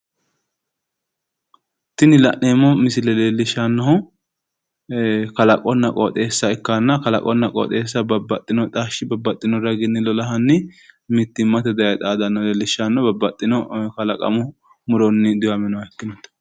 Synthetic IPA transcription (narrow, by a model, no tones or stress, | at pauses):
t̪ɪnɪlɐ̰ʔneːmːɔmɪsɪlɛleːlːɪʃːanːɐhʊ | kɐlɐkʼɔnːɐkʼo̰t̪ʼe̞ːsːɐɪkːanːɐkɐlɐ̰kʼɔnːɐkʼo̰ːt̪ʼe̞ːs̬ːɐbɐbɐt̪ʼːɪnɔt̪ʼaːʃɪbɐbːɐt̪ʼːɪnɔɾɐɡɪnːɪlɔlɐɦɐnːɪmɪt̪ːɪmːɐt̪ɛd̪ɐjɐt̪ʼaːd̪ɐnːɐleːlːɪʃanːɔbɐbɐt̪ʼːɪnɔkɐlɐkʼɐ̰mʊ | mʊɾɔnːɪd̪ʊwɐmɛnɔaɛkːɪnɔt̪ː